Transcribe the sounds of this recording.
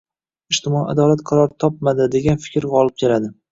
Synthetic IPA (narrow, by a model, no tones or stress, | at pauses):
ɪʃt̪ɪmɒad̪ɒlat̪qʰɑɾɒɾt̪ʰɒp̚mad̪ɪd̪e̞ɡʲanfɪ̥kʲɾɒlˠɪp̚kʲʰe̞lad̪ɪ